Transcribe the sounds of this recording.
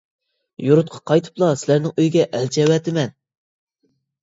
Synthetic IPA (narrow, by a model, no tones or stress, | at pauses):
juɾʊt̪̚qʰɑ̥qʰɑjt̪ʰɨ̥plˠɑsɪlæɾnɪŋøjɡʲɛʔɛlt͡ʃʰɛwɛt̪ʰɪmɛn